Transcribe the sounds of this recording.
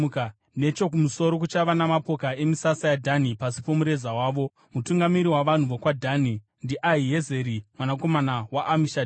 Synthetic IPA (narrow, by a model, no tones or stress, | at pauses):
k | ne̞t͡ʃo̞k̬umuso̞ɾo̞k̬ut͡ʃaʋanamapo̞kae̞misasajadʱanipasipo̞muɾe̞zawaːʋo̞ | mutuŋɡamiɾiwaʋan̤uʋokwadʱani | ndiʔaiɦe̞ze̞ɾimwanako̞manawaʔːmiʃad